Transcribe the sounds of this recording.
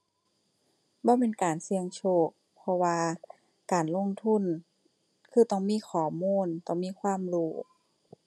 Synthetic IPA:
bɔː˧˦meː˧˥˨nkaː˨˩nsi˧əŋt͡ɕʰoː˧˩k̚pʰɔ˧waː˧ | kaː˨nlo˧˥˨ŋt̪ʰu˧˥˨n | kʰɯː˧˩t̪ɔ˧˩ŋmiː˧˥˨kʰɔː˨˩˦muː˧˥˨nt̪ɔ˧˩ŋmiː˧˥˨kʰwaː˧˥˨mluː˧˩

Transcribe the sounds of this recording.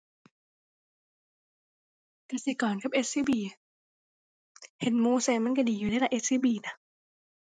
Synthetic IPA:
k̪aː˨˧˩si˨˧˩kɔː˨˩nkʰa˨˩p̚ʔe˦˥t̪̚siː˧˥˩biː˧˩ | he˨˦nmuː˧˩seː˧mːa˧˥˨nka˧˩diː˨juː˨˩a˧˥˨la˧˩ʔeː˦˧˥siː˧˥˩biː˧˩na˦˥

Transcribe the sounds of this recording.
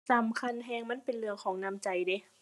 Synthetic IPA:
saː˨˦mkʰa˧˥˨nɦɛː˧ŋma˧˥˨npe˨nlɯ˧əkʰɔː˨˦ŋna˧˨mt͡ɕa˨˩jde˨˦

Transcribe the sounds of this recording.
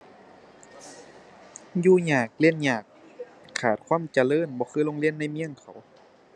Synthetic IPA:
juː˧ɲaː˨˩k̚li˧˥˨nɲaː˨˩k̚ʰː | aː˨˩t̪̚kʰwaː˧˥˨mt͡ɕa˧lɤː˧˥˨nbɔː˧xʰɯː˧˨lo˧˨ŋli˧˥ə˨nːa˧˥˨jmi˧˥əŋkʰa˨˩˦w

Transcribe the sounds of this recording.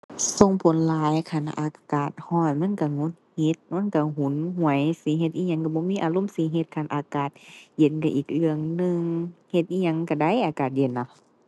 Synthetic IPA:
so˧˨ŋpʰo˨˦nlaː˨˦jkʰa˧˩˨n˧ʔa̰ː˨˧˩kaː˨˩t̪̚hɔː˧˩t̪̚ma˧˥˨nka˧˩ŋo˧˥t̪̚he˧˦t̪̚ma˧˥˨nka˧˩ɦu˨˦nhu˧˩ə˦jsi˨˦ɦe˧t̪ʔiː˧ɲa˧˦ŋka˧˩bɔː˧˦miː˧˥˨ʔaː˨˧˨lo˧˥˨msi˧˦ɦe˧t̪̚kʰa˧˩nʔa̰ː˨˧kaː˨˩t̪̚je˧˦nka˧˩ʔiː˨˩k̚lɯ˧əŋnɯ˧ŋhe˧t̪̚ʔiː˧ɲa˧˦ŋka˧˩da˧˥˨jʔaː˨˧kaː˨˩t̪̚je˧˩nːa˧˦

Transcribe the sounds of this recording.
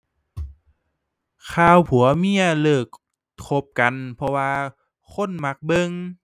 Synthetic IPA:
kʰaː˧˩wpʰu˨˩˦ɐmi˧˩ɐlɤː˨˩k̚ʰ | o˧˥p̚ka˨npʰɔ˧waː˧ | kʰo˧˥˨nma˧˦˥k̚bɤ˧ŋ

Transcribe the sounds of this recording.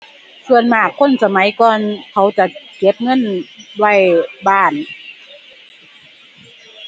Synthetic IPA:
su˧ənmaː˧˩kʰːo˧˥˨nsa˧ma˨˦jkɔː˧nkʰa˧˩˦wt͡ɕa˧˩ke˧˦˥p̚ŋɤ˧˥˨nwa˧˩˨jbaː˧˩˨n

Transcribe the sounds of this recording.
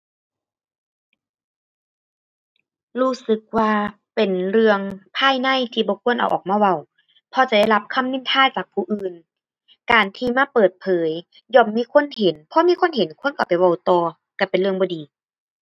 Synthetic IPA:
ɾuː˧˩sɯ˧˦k̚waː˧ | pe˨˩nɾɯ˧əŋpʰaː˧˥˨jna˧˥˨jt̪ʰiː˧bɔː˧˦kʰu˧˥ənʔa̰˨˩wʔɔː˨˩k̚maː˧˨wa˧˩˨w | pʰɔ˧˦t͡ɕa˧˩da˧˥˩jla˧˥p̚kʰa˧˥˨mni˧˥˨nt̪ʰaː˧˥˨jt͡ɕaː˨˩k̚pʰuː˧˩ʔɯː˨˩n | kaː˨˩nt̪ʰiː˧maː˧˥˨pɤː˨˩t̪̚pʰɤː˨˦j | jɔː˧˩mːiː˧˥˨kʰo˧˥˨nɦe˨˦npʰɔ˧˦miː˧˥˨kʰo˧˥˨nhe˨˦nkʰu˧˥ə˨nka˧˩pa˨jwa˧˩wt̪ɔː˧˩ | ka˧˩pe˨nlɯ˧əŋbɔː˨˧diː˨˦

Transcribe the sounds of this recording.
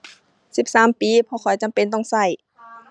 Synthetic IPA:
si˧˦p̚saː˨˦mpiː˨˧˦pʰɔː˧kʰɔ˨˩jt͡ɕa˧˨˦mpe˧˨nt̪ɔ˧˥˩ŋsa˧˩j

